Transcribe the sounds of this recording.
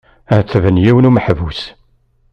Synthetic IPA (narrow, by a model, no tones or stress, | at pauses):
ət͡sːvənjiwənuməħvus